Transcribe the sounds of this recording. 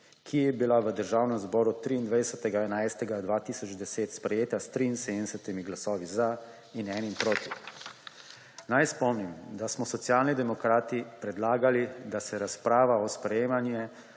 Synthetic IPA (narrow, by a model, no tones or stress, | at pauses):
kʰijɛbilaʋəd̪əɾʒaːwnɛmzbɔːɾut̪ːɾiːnd̪ʋajd̪ɛsat̪ɛɡaɛnajst̪ɛɡad̪ʋaːt̪iːsɔd͡ʒd̪ɛseːt̪spɾɛjeːt̪ast̪ɾiinseːd̪nɛsɛt̪imiɡlasɔːʋiza | inɛnimpɾoːt̪i | najspɔmnimd̪asmɔsɔt̪sjaːlnid̪ɛmɔkɾaːt̪ipɾɛd̪laːɡalid̪asɛɾaspɾaːʋaɔspɾɛjeːmanjɛ